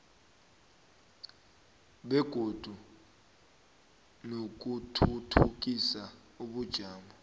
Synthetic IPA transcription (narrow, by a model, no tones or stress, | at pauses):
ɓɛɡ̥ʱod̥ʱu | nok̬utʰutʰuk̬isa | uɓud̥ʒ̥ʱaːmʱa